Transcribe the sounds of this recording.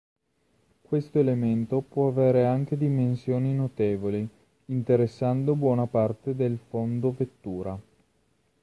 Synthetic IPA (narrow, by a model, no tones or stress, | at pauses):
kwest̪oelement̪opwɔaveːɾeaŋk̟ed̪imensjoːninot̪eːvoli | int̪eɾesːand̪obwɔːnapart̪ed̪elfond̪ovet̪ːuːɾa